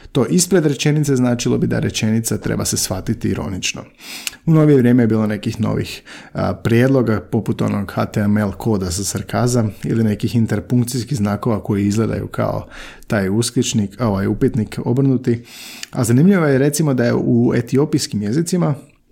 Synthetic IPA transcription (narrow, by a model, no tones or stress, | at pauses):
t̪o̞ːʔispɾe̞d̪ɾe̞t͡ʃe̞nit̪se̞znaːt͡ʃilˠo̞̰bid̪a̰ɾet͡ʃe̞nit̪sat̪ɾḛbasesʋat̪it̪iiɾo̞̰nit͡ʃno̰ | uno̞ʋijeʋɾʲjeːmejebiːlˠo̞ne̞kixno̞̰ʋḭxpɾjed̪lˠo̞ɡapo̞put̪o̞̰noɡxat̪emelˠkʰo̞ːd̪asasaɾkazamḭline̞kixint̪eɾpuŋkt̪siskiznaːko̞ʋako̞jiizɡlˠed̪a̰jṵkʰa̰o̞̰t̪aːjusklit͡ʃniko̞ʋajupit̪niko̞̰br̩nut̪ia̰zanimʎiʋojeɾe̞t̪simo̞d̪ajḛʔuḛt̪io̞pijskimje̞zit̪sima